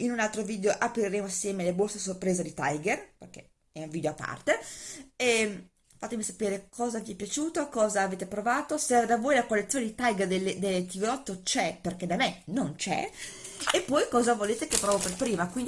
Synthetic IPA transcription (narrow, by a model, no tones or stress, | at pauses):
inunalt̪ɾoviːd̪eoʔapɾiɾeːmoasjɛːmelebosesorpɾeːzed̪it̪a̰jɡerperk̟ḛ | ɛuɱviːd̪eoapːa̰rt̪eɛ | fat̪ːemisapeːɾekʰɔːzaviepjat͡ʃuːt̪okɔːzaːveːt̪epɾovaːt̪osed̪avoːjlakolːet̪sjoned̪it̪ajɡerd̪elːed̪elːet̪iveɔt̪ːot͡ʃɛperked̪amenont͡ʃɛ̰ | epːɔjkɔːzavoleːt̪ekepːɾɔvoperpɾiːmakwind